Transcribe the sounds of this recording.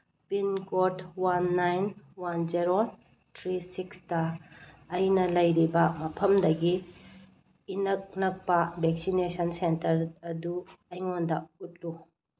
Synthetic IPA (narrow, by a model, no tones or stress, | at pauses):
pinkotwanːajnwand͡ʒeɾon | tʰɾisikstɐː | jnɐlɐjɾibɐmɐpʰɐmdɐɡi | nɐk̚nɐk̚pɐbʱek̚sinesɐnsentɐɾɐduɐjŋondɐut̚lu